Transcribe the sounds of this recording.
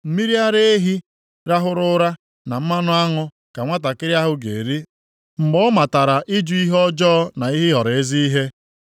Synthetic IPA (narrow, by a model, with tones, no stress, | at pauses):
m̩˨mi˦ɾi˦a˦ɾe˦e˦ɦi˦ | ɾa˦ɦʊ˦ɾʊ˦ɾa˦ | na˨m̩˦ma˦nʊ˦a˦ŋʊ˦ | ka˨ŋʷa˦t̬a˨kɪ˦ɾja˦ɦʊ˦ɡḛ˨ɾi˦ | ŋ͡m̩˨ɡ͡bɔ˦ma˨ta˨ɾa˨ʔɪ˦d͡ʒu˦i˦ɦɔ˦d͡ʒɔː˦na˨i˦ɦɪ˦ɦɔ˨ɾe˦zi˦i˦ɦe˦